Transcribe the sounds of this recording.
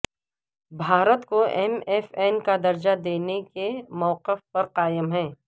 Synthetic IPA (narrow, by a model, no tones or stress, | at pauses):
bʱaːɾət̪koʔɛmɛːfɛːnkad̪ɐɾd͡ʒad̪eːnekemɔːqɪfpɐɾqaːjəmɦɛ̃ː